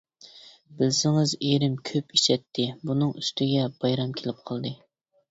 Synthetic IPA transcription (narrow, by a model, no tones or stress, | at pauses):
bɪlsɪŋɪzeɾɪmkʲʰøpi̥t͡ʃʰɛt̪ʰːɪbunɨŋyst̪ɪɡʲɛbɑjɾɑmkʲʰelɪp̚qʰɑlˠd̪ɨ